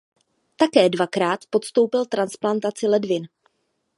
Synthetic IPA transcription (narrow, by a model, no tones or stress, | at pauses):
t̪akɛːdvakɾaːt̪po̞t̪st̪o̞wpɪlt̪ɾansplant̪at͡sɪlɛdvɪn